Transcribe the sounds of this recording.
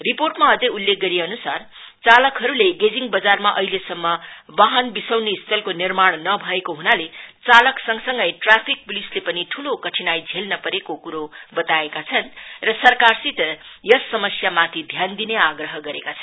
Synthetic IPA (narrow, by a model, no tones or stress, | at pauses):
riporʈmaʌd͡zʌjulːek̚ɡʌɾiʌnusar | t͡salʌkɦʌɾuleɡed͡ziŋbʌd͡zarmaʔʌ̰ɦilesʌmːʌbaɦʌnbisʌwnist̪ʰʌlkonirmaɽ̃nʌbʱʌekoɦunalet͡salʌksʌŋsʌŋɡʌjʈrapʰik̚bulislepʌniʈʰulokʌʈʰinajd͡zʱelnʌpʌɾekokuɾobʌt̪aekat͡sʰʌnrʌsʌrkarsit̪jʌsːʌmʌsjamat̪ʰid̪ʱjand̪ineaɡrʌɦʌɡʌɾekat͡sʰʌn